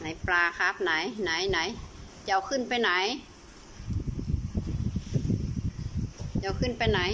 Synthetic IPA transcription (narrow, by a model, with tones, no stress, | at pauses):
na˨˦jplaː˧ka˧˦˥p̚na˨˩˦jna˨˦jna˨˦j | t͡ɕa˧˩˦wkʰɯ˧˥˨npa˧jna˨˦j | t͡ɕa˧˩˦wkʰɯ˧˥˨npa˧jna˨˦